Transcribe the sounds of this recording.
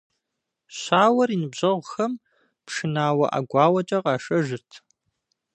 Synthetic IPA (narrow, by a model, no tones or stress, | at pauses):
ɕʷaːwɐriːnɨbʑɐʁʷxɐm | pʂɨnaːwɐ̰ʔa̰ɡʷɑːwɐt͡ʃʼɐqɑːʂɐʒɨrtʰ